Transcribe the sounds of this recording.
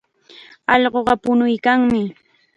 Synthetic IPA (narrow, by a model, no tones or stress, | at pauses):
ɑʎɢoɢɑpʊnʊjkaŋmɪ